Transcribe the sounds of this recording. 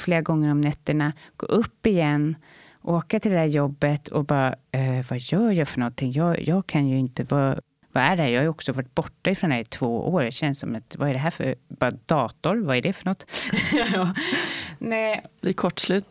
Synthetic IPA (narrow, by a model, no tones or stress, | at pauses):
fleːɾaɡɔŋːəɾɔmnɛt̪ːəɳaɡ̥o̰ːʔɵpːɪjɛnː | ʔoːkat̪ʰɪld̪ɛhæːɾjɔbːət̪ʰɔ̰bɑːaɛvajœːjɑfœɳɔnt̪ʰɪŋːjɑːjʔɑːɡ̚kʰanjɵɪnt̪əvɑː | vaæɖɛhæɾjɑːhajɔksɔvœːʈ̚ːbɔʈːaɪfɾɔnd̪æt̪ʰv̥oːʔo̰ːɾɕɛnsːɔ̰mat̪vaɛɖɛɦæɾfœ̰ɾb̥ɑːɾad̪ɑːt̪ɔɾvaæɖɛfœɳɔt̪ː | ɑː | nɛbliːɾkʰɔʈːslʉːt̪